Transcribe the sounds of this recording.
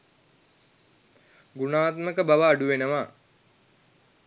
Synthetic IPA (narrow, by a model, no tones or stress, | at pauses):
ɡunaːt̪məkəbaʋaːɖuʋenəʋaː